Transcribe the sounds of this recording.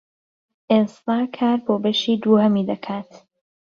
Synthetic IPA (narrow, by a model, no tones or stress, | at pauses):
ʔest̪aːkʰaːɾboːbɐʃiːd̪uːhɐmiːd̪ɐkʰaːt̪